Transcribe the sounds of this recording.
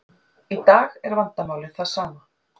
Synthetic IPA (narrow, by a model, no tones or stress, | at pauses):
it̪aːɣɛɾvant̪amawlɪθaðsaːma